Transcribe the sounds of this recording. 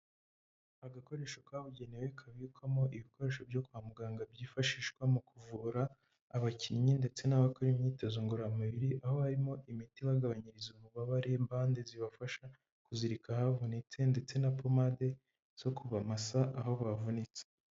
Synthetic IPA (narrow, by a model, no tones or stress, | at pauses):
aɡako̞ɾe̞ːʃokaβuɟe̞newe̞kʰaβikwamo̞ʔiβiko̞ɾe̞ːʃo̞bjo̞kuamuɡaːŋɡabɟiːfaʃiːʃkwamukuvuɾaː | βacʰiɲinde̞t͡se̞naβakoɾimɲiːtezoŋɡuɾamaβiɾiʔaho̞haɾimo̞ʔimitiβaɡaβaɲiɾizumuβaβaɾe̞mbaːndeziβafaʃa | kuziɾikahavunit͡se̞nde̞t͡se̞napomade̞ | z̥o̞kuβamasaʔaho̞βavunit͡se̥